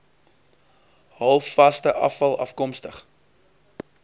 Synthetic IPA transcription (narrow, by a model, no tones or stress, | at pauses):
hɐlˠfːɐstəʔɐ̰fɐlˠɐ̰fkɔmstəχ